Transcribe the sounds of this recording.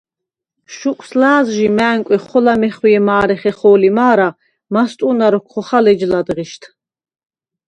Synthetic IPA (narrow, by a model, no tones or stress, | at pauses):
ʃukʼʰslaːzʒimæːŋkʼɛχɔlamɛχwiɛmaːɾɛχɛχɔːlimaːɾa | mast̪ʼunaɾɔkʰχɔχalɛd͡ʒlad̪ʁiʃt̪ʰ